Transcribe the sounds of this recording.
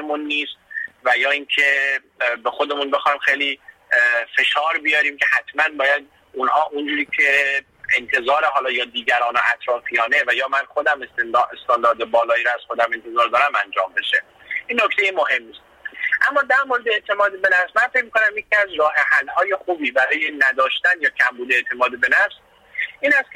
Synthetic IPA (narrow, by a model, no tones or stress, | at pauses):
emunːiːst̪̚væjɒːinkʰe | bexo̞d̪e̞munbe̞xɒjmxejli | fe̞ʃɒːɾbijɒːɾiːmkʲʰe̞hæt̪ʰmænbɒːjæd̪ | unhɒːʔund͡ʒuːɾiːkʲʰe̞ | ent̪ʰe̞zɒːɾeɦɒːlɒːjɒːd̪iːɡæɾɒːnoʔæt̪ʰɾɒːfijɒːne̞væjɒːmænxo̞d̪æmest̪end̪est̪ɑnd̪ɒːɾd̪ebɒːlɒːiːɾɔæz̥xo̞d̪æme̞nt̪ʰezɒːɾd̪ɒːɾæmænd͡ʒɒ̰ːmbe̞ʃe | iːnːokt̪e̞jemohe̞mːist̪̚ʔæmːɒːd̪æɾmoɾed̪eeʔt̪ʰe̞mɒːd̪ebenæfsmænfec̚ʲmiːkonæmjecʲʰiæzɾɒːɦehælhɒːje̞xuːbiːbæɾɒːjenæd̪ɒːʃt̪ænjɒːcʲʰæmbuːd̪eeʔt̪ʰe̞mɒːd̪ebe̞næfs | ʔiːnæst̪kʰe